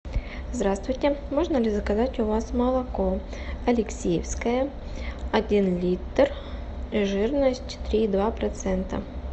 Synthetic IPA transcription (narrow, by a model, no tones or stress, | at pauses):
zd̪ɾast̪vʊjtʲɪmo̞ʐnəlʲɪzəkɐzatʲʊvasmɐlˠɐkoɐlʲɪksʲejɪfskəjəɐdʲinlʲit̪r | ʐɨrnəsʲtʲt̪ɾʲiːd̪vapɾɐt̪sɛnt̪ə̰